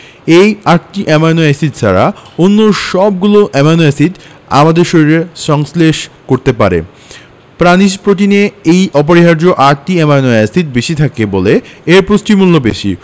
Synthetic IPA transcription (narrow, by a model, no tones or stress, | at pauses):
ejaɾʈiʔɛmanɔasitsʰa̰ɾa̰onːoʃɔb̚ɡuloʔɛmanoasit̪ | a̰mad̪eɾʃoɾiɾeɾʃɔŋsleʃkoɾt̪epa̰ɾḛ | pɾaniʃpɾot̪̬ineejʔɔp̬oɾiɦaɾd͡ʑoʔaɾʈiɛmanɔasit̪̚beʃit̪ʰakeboleeɾpɾosʈimulːobeʃḭ